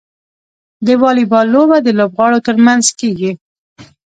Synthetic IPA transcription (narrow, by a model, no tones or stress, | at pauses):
d̪əwɑlibɑlːobad̪əlobɣɑɽot̪əɾmanzkeɡi